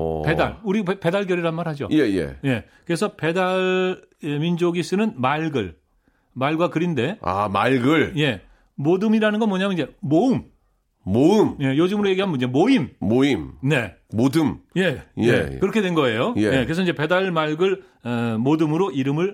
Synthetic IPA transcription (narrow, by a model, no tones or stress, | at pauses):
pe̞da̰ɭuɾipe̞daɭɡjʌɾiɾanmaɾhad͡ʑo̰jejḛje̞kɯɾe̞sʰʌpe̞daɭ | emind͡ʑoɡis͈ɯnɯnmaɭɡɯ̰ɭ | maɭɡwakɯɾinde̞a̰maɭɡɯɭje̞ | modɯmiɾanɯnɡʌnmwʌɲajnid͡ʑe̞moɯmː | oɯmje̞jod͡ʑɯmɯɾoje̞ɡiɦanmund͡ʑemoimːoimne̞ː | odɯmje̞jḛkɯɾʌkʰe̞dwenɡʌe̞joejekɯɾe̞sʰʌiɲd͡ʑe̞pe̞daɭmaɭɡɯɭ | modɯmɯɾoʔiɾɯmɯɭ